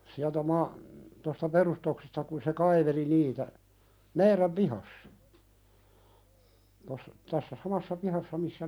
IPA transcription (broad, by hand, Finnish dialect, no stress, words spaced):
siæltæ mɑ tostɑ perustoksestɑ ku se kɑiʋeli niːtæ meiɾæn pihɑsːɑ tos tæsːæ sɑmɑsːɑ pihɑsːɑ misːæ